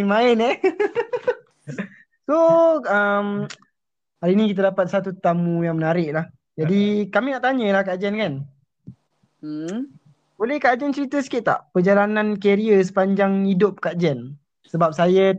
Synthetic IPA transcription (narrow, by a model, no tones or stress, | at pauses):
ŋmaɪnɛ | soəm | haɾinikit̪adapat̪̚sat̪ut̪amũjaŋmənaɾɪʔ̚lah | d͡ʒadikamĩnaʔt̪aɲəlahkad͡ʒɛnkan | bolɛhkaʔd͡ʒɛnt͡ʃəɾit̪əsi̥kɪʔt̪a̰ʔpəd͡ʒalanankeɾiəs̬ə̥paɲd͡ʒaŋidʊp̚kaʔd͡ʒɛn | səbap̚sajə